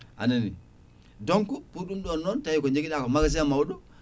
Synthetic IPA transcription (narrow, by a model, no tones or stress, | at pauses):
a̰nanḭ | doŋkupuɗumdonːɔntajikoɲd͡ʒeɡiɗakomaɡas̬eamawuɗu